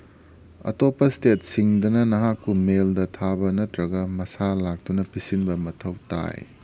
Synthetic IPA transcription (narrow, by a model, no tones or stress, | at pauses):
ɐ̰topːɐstet̚siŋdɐnɐnɐɦakːumeldɐtʰabɐnɐtɾɐɡɐmɐsalak̚tunɐpʰisinbɐmɐtʰɐwta̰j